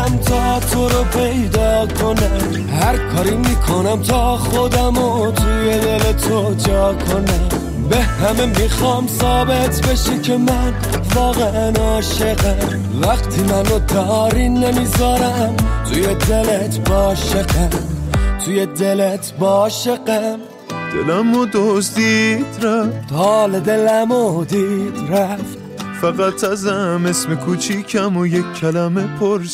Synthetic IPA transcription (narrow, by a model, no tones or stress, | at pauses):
mt̪ʰɒt̪ʰoɾopʰejd̪ɒːkʰo̞næm | hæɾkʰɒːɾimiːkʰo̞næmt̪ʰɒːχod̪æmot̪ʰujed̪elet̪ʰo | d͡ʒɒːkʰonæmm | behæmemixɒːmsɒːbe̞t̪ʰbeʃekʰe̞mæn | vɒːɣeænɒːʃeɣæm | væqt̪ʰimænod̪ɒɾinːemizɒːɾæmt̪ʰujed̪elet̪ʰbɒːʃeqæmt̪ʰujed̪elet̪ʰbɔːʃeqæm | d̪̥ḛlæmod̪ozd̪id̪ɾat̪ʰɒːled̪elæmod̪id̪̥ɾæf | fæɣæt̪ʰæzæmesmekʰut͡ʃʰikʰæmojekʰːælæmepʰoɾs